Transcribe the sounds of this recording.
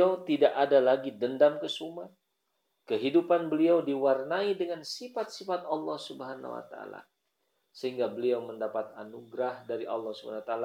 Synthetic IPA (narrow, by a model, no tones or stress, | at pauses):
awt̪idaʔadalaɡidəndamkəsuma | kəɦidupanbəliawdiwarnaidəŋansifat̪̚sifat̪ɑlːɑhsubəɦana̰wa̰t̪aa̰la̰ | səhiŋɡabəliawməndapat̪̚anuɡɾahdaɾiʔɑ̰lːɑhsub̰anawat̪aala